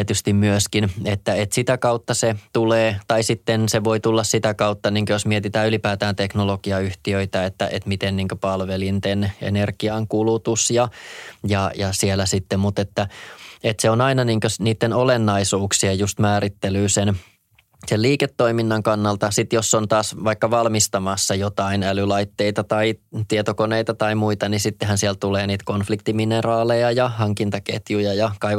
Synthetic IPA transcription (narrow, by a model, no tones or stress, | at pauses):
et̪yst̪immyøskinet̪ːæet̪sit̪ækɑut̪ːɑset̪uleːt̪ɑisit̪ːenseʋo̞it̪ulːɑssit̪ækɑut̪ːɑniːŋkøjosmiet̪it̪æːylipæːt̪æːnt̪eknoloɡ̥iɑyht̪iøit̪æet̪ːæ̰ʔet̪mit̪enniːŋkøpɑlʋelint̪enḛnerɡ̥iɑŋkulut̪usjɑjɑjɑsielæsit̪ːemmut̪et̪ːæet̪seonɑinɑniːŋkøsniːt̪ːenolenːɑisuːksiɑjust̪mæːɾit̪ːelyːsen | selliːket̪ːoiminːɑŋkɑnːɑlt̪ɑsit̪josːont̪ɑːsʋɑikːɑʋɑlmist̪ɑmɑsːɑjot̪ɑinælylɑit̪ːeit̪ɑt̪ɑit̪iet̪okoneit̪ɑt̪ɑimuit̪ɑnisit̪ːeɦhænsiɛlt̪uleːniːt̪konflikt̪iminerɑːlejɑjɑhɑŋkint̪ɑkḛt̪jujɑjɑkɑiʋ